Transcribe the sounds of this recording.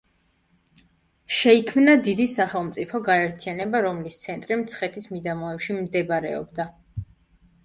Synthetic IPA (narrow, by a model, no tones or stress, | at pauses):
ʃɛikʰmnad̪id̪isaχɛlˠmt̪sʼipʰɔɡaɛɾt̪ʰianɛbaɾɔmlist̪sʰɛnt̪ʼɾimt̪sʰχɛt̪ʰismid̪amɔɛpʃimd̪ɛbɾɛ̰ɔ̰bd̪a